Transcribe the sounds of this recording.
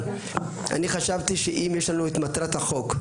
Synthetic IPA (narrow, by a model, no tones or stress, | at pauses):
a̰niχaʃavt̪iʃeʔimjeʃlanuet̪mat̪ʁat̪haχo̞k